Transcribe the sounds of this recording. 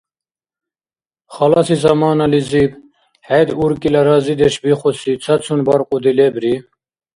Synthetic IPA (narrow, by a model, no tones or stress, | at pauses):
χɑlɑsizɐmɑːnɑlizib | hɛjd̪uɾkʼilaɾɑzid̪ɛʃbiχɔsit͡sʰat͡sʰunbɑɾqʼud̪ilɛbɾi